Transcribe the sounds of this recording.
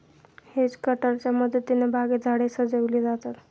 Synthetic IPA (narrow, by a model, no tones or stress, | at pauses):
hed͡zkəʈəɾt͡ɕjaməd̪ʱːt̪ːinebʱaɡed͡zʱaɽesəd͡zəʋlid͡zat̪at̪